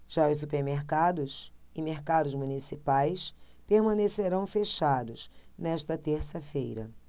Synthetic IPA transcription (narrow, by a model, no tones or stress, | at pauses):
ʒ̥aʊssupeɾmeɾkad̪ʊsɪmeɾkad̪ʊzmunisipajs | peɾmɐ̃neseɾɐ̃w̃feʃad̪ʊsnɛʃt̪ɐt̪eɾsɐfejɾɐ̰